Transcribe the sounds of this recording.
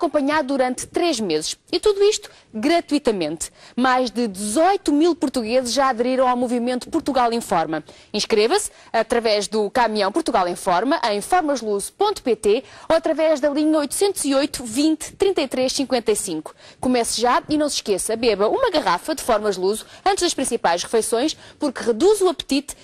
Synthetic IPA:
ɐkõmpɐɲaðuðuɾɐ̃nt̪ːt̪ːɾeʒmezɨʃit̪uðuiʃt̪u̥ | ɣɾɐt̪wit̪ɐmẽnt̪majʒd̪ɨd̪ɨzɔjt̪umilˠpuɾt̪uɣezɨʃʒʒaɐðɨɾiɾɐ̃w̃awmuvimẽnt̪u̥puɾt̪uɣalˠẽfɔɾmɐ | ĩʃkɾevɐs | ɐt̪ɾɐvɛʒðukamiɐ̃w̃puɾt̪uɣalˠẽj̃fɔɾmɐʔɐ̃j̃fɔɾmɐʒlˠuzupõnt̪u̥pet̪eoɐt̪ɾɐvɛʒðɐlˠiɲɐojt̪u̥sẽnt̪uz̥iojt̪u̥vĩnt̪t̪ːɾĩnt̪ɐjt̪ɾeʃsĩŋkwẽnt̪ɐjsĩŋku̥kumɛsʒainɐ̃w̃sʃkesɐbɛβɐumɐɣɐʁafɐd̪ɨfɔɾmɐʒlˠuzuɐ̃nt̪ʒðɐʃpɾĩsipajʃʁɨfɐjsõj̃ʃpuɾkʁɨðuzuɐpt̪it̪

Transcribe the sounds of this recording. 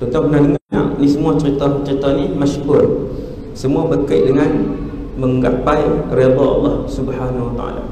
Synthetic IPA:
t̪ut̪ap̚bənadəŋaa̰ʔnisəmuat͡ʃəɾit̪at͡ʃəɾit̪animaʃkur | səmuabəkəjʔdəŋan | məŋɡa̰pajred̪ɑɑ̰lːɑhsubhanawat̪a̰a̰la̰

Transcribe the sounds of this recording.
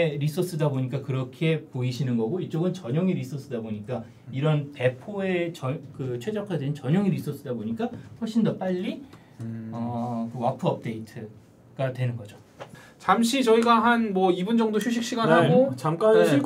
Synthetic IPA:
ɾisʰos͈ɯdaboɲik͈akɯɾʌkʰe̞poiɕʰinɯnɡʌɡoit͡ɕ͈oɡɯnt͡ɕʌɲʌŋiɾisʰos͈ɯdaboɲik͈a | iɾʌnpe̞pʰoe̞t͡ɕʌkɯt͡ɕʰwe̞d͡ʑʌkʰadent͡ɕʌɲʌŋiɾisʰos͈ɯdaboɲik͈aɸwʌɭɕ͈ʰindʌp͈aʎːi | ʌkɯwapʰɯʌp̚t͈e̞itʰɯ | ɡ̥adwe̞nɯnɡʌd͡ʑo | t͡ɕamɕʰit͡ɕʌiɡaɦanmwʌibund͡ʑʌŋdoɕʰuɕ̬ʰik̚ɕ͈iɡanɦaɡot͡ɕamk͈a

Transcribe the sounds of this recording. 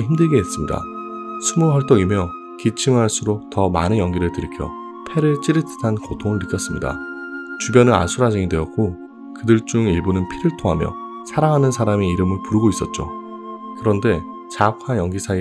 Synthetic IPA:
çimdɯɭɡe̞ːs͈ɯmɲida̰sʰumuɦʌɭt͈oŋimjʌ | kit͡ɕʰimɦaɭs͈uɾok̚tʌmanɯnjʌŋɡiɾɯɭtɯɾikʰjʌ̰ | pʰe̞ɾɯɭt͡ɕ͈iɾɯtʰɯ̥tʰankotʰoŋɯɭnɯk͈jʌs͈ɯmɲḭda̰t͡ɕubjʌnɯna̰sʰuɾad͡ʑiŋidwe̞ʌk̚k͈o | kɯdɯɭt͡ɕ͈uŋiɭbonɯnpʰiɾɯɭtʰoŋɦamjʌ̰ | sʰaɾaŋɦanɯnsʰaɾameiɾɯmɯɭpuɾɯɡois͈ʌt̚t͡ɕ͈o̰ | kɯɾʌnde̞ | t͡ɕakʰajʌŋɡisʰai

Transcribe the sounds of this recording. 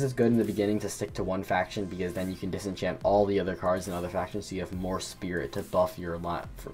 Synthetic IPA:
zɨzɡʊɾɨ̃n̩ðɨbɨɡɪ̃ñɪ̃ŋtʰɨstɪk̚tʰəwʌ̃nfækʃɨ̃nbɨkʌzðɨ̃njɨkʰɨ̃n̩dɨsɨ̃nt͡ʃʰæ̃mpɔlˠðiʌðə˞kʰɑɹdzɨ̃nʌðə˞fækʃɨ̃nz̥tʰɨjɨɨvmɔɹspɪɹɪ̰tʰɨbʌfjə˞lɑf

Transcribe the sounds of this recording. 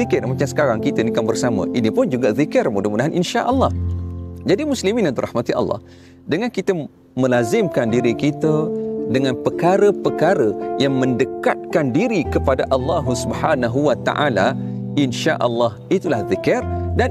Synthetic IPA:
ikɪrmat͡ʃamsə̥kaɾaŋkit̪ənikanbərsamə̰̃ʔinipʊnd͡ʒuɡaðikɪrmudahmudaɦanʔinʃaʔəlːɑhd͡ʒadimuslimĩnant̪urɑ̰hmat̪iʔa̰lˤːɑ̰h | dəŋãnkit̪ə | mə̃lazɪmkandiɾikit̪ədəŋãnpəkaɾəpəkaɾəjaŋmə̃ndəkat̪̚kandiɾikəpadaʔalːɑɦusubħanaɦuwat̪a̰ʔala | inʃaʔəlːɑhit̪ulahðikɪrdan

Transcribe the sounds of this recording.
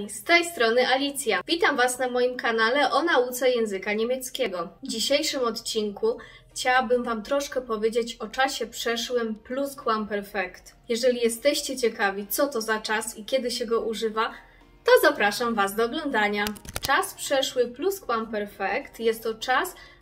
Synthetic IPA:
st̪ɛjst̪ɾɔnɘʔalʲit̪sʲjavʲit̪amvasnamɔjimkanalɛʔɔnaut̪sɛjɛ̃ñzɘkaɲemʲjɛt̪skʲɛɡɔvd͡ʑiɕejʂɘmɔt̪t͡ɕiŋkuxt͡ɕawabɘmvamt̪ɾɔʂkɛpɔvʲjed͡ʑet͡ɕɔt͡ʂaɕɛpʂɛʂwɘmpluskwampɛɾfɛkt̪jɛʐɛlʲijɛst̪ɛɕt͡ɕɛt͡ɕɛkavʲit̪sɔt̪ɔzat͡ʂasikʲɛd̪ɘɕɛɡɔʔuʐɘva | t̪ɔzapɾaʂamvazd̪ɔːɡlɔnd̪aɲat͡ʂaspʂɛʂwɘpluskwampɛɾfɛkt̪jɛst̪ːɔt͡ʂas

